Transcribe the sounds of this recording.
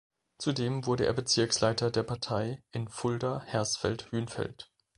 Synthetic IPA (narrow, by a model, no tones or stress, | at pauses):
t͡sudeːmvʊɐɾəʔḛːɐbət͡sɪɐkslaɪtɐdeːɐpʰaɐtʰaɪʔɪnfʊldɐhɛɐstfɛ̰lthyːnfɛ̰lt